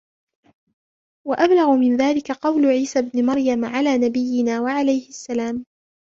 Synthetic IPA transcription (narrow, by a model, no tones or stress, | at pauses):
waʔablaɣʊmɪnðaːlɪkaqɑwlʊʕiːsabnɪmɑɾˤjamʕalaːnabɪjːɪnaːwaʕalajhɪʔasːalaːm